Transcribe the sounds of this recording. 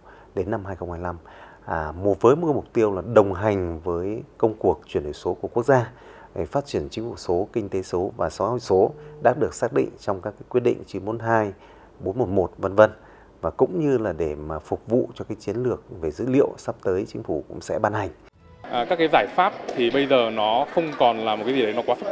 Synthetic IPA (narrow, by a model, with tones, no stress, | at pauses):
ɗe˨˦nːa˧mhɦaː˧jxə˧wŋ͡mhaː˧jla˧mː˨˩ | m˨˩t̚vəː˨˦jmɨ˧əmʊ˨˩k͡p̚t̪i˧əwlaː˨˩ɗə˨˩wŋ͡mɦa˨˩jŋ̟vəː˨˦jkə˧wŋ͡mku˨˩ək̚t͡ɕwi˧˩ənhɨ̰˧˨˩jso˨˦ku˧˩ku˦˥ək̚zaː˧ | e˧˩faː˦˥t̚t͡ɕi˧˩ənt͡ɕï˨˦ŋ̟fu˧˩so˨˦kï˧ŋ̟t̪e˨˦so˨˦vaː˨˩sa˨˦ho̰˧˨jso˨˦ɗa̰ː˦˥t̚ɗɨ˨˩ək̚saː˦˥k̚ɗḭ˧˨ŋ̟t͡ɕɔ˧wŋ͡mkaː˦˥kːaː˨˦kwi˦˥t̚ɗḭ̈˧˨ŋ̟t͡ɕɨ˨˦mo˨˦nɦaː˧j | ɓo˨˦nmo˨˧˩t̚mo˨˩t̚və˧nvə˧n | vaː˨˩kʊ̰˧˥ŋ͡mɲɨ˧laː˨˩ɗe˧˩maː˨˩fʊ˨˩k͡p̚vṵ˧˨t͡ɕɔ˧kaː˨˦jt͡ɕi˨˦ənlɨ˨˩ək̚ve˨˩zɨ̰˧˥lḭ˧˨əwsa˦˥p̚t̪əː˨˦jt͡ɕï̟˨˦fu˧˩kʊ̰˧˥ŋ͡msɛ̰˧˥ɓaː˧nha˨˩jŋ̟ | ʔəː˨˩kaː˦˥kːaː˨˦jzaː˧˩jfaː˦˥p̚t̪ʰi˨˩ɓə˧jzəː˨˩nɔ˨˦xə˧wŋ͡mkɔ˨˩nlaː˨˩m̚˨˩ka˨˦zi˨˩ɗə˨˦nɔ˦kwaː˨˦ə˦˥